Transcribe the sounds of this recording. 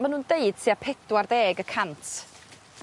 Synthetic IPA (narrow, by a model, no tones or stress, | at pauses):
manuːndeɨd̥̚tʰiːapʰɛdwarðeːɡəkʰantʰ